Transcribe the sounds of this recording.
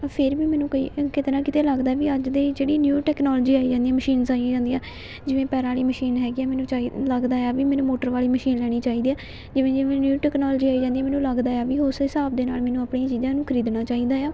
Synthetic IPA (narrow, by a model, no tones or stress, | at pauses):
pʰɪɾʋiːmɛːnũːkəḭːkɪt̪eːnãːkɪt̪eːləɡd̪aːɛːʋiːəd͡ʒd̪eːd͡ʒeːɽiːnjuːʈɛːknɔːlːd͡ʒiːaːiːd͡ʒãːnd̪ijãːməʃiːnsaːiãːd͡ʒãːnd̪ijãː | d͡ʒɪʋẽːpɛːɾaːliːməʃiːnɦɛːɡiɛːmɛːnũːt͡ʃailəɡd̪aːjaːʋiːmɛ̃ːnũːmoːʈəɾʋaːliːməʃiːnlɛːɽ̃iːt͡ʃaːiːd̪iːɛː | d͡ʒɪʋẽːd͡ʒɪʋẽːnjuːʈɛːknaːlːd͡ʒiːaːiːd͡ʒãːnd̪iãːmɛːnũːləɡd̪aːjaːʋiːʊsɦɪsaːbd̪eːnaːlmɛ̃ːnũːaːpɳẽːãt͡ʃiːzãːnũːkʰəɾiːd̪naːt͡ʃaːiːd̪aːjaː